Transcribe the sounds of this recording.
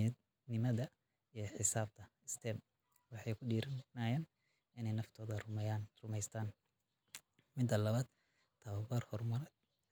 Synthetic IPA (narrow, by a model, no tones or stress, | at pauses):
nɪmɐðɐ | ijɔħɪsaːb̚t̪ʰɐɪst̪ʰɛːm | wɑħɑjkʰʊɖiːɾɐnnaːjaːn | ɪnɛjnɐft̪ʰɔːðɐrʊmɛjaːnrʊmɛjst̪ʰaːn | mɪd̪ɐlɐβaːd̪ | t̪ʰɐwɐbɐrhɔrmɐɾɐd̪